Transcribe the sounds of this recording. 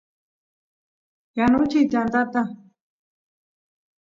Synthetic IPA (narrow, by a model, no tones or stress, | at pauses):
janʊt͡ʃɪt͡ʃant̪at̪a